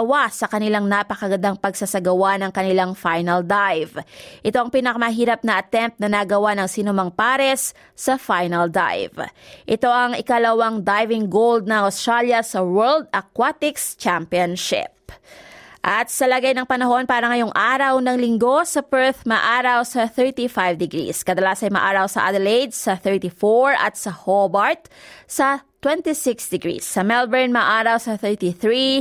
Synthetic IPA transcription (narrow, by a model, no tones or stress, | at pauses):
wasɐkɐnɪlaŋnapɐkɐɡɐd̪ɐŋpɐɡsɐsɐɡɐwanɐŋkɐnɪlaŋfajnɐld̪ajvʔɪt̪oʔɐŋpiːnɐkɐmɐɦiːɾɐp̚nɐʔɐt̪ɛmp̚nɐnɐɡɐwanɐŋsiːnʊmɐŋpaːɾɛsː | ɐfajnɐld̪a̰jvʔɪt̪o̞ʔɐŋɪkɐlɐwaŋd̪ajvɪŋɡowld̪̚nɐŋɐwst̪ɾaljɐsɐwɛɹld̪̚ɐkwat̪ɪkst͡ʃampionʃɪ̰p̚ | ʔɐt̪̚sɐlɐɡajnɐŋpɐnɐɦo̞npaːɾɐŋɐjo̞ŋʔaːɾɐwnɐŋlɪŋɡo̞sɐpɛɹθmɐʔaːɾɐwsɐθɛɹt̪ifajvd̪ɛɡɹḭskɐd̪ɐlaːsɐnmɐ̰ʔaːɾɐwsɐ̰ʔa̰d̪ɛlejd̪sɐθɛɹt̪ifoɹɐ̰t̪̚sɐhobɐɹt̪̚sɐt̪wɛnt̪isɪksd̪ɛɡɹḭsːɐmɛlbɛɹnmɐʔaːɾɐwsɐθɛɹt̪iθɹi